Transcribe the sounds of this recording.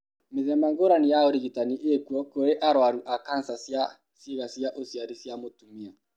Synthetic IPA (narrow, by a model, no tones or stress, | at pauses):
meðɛmaŋɡoɾanijaoɾiɣitaniʔekuɔkoɾeʔaɾwaɾuʔakansasja | seɣasiaʔosiaɾisjamotumia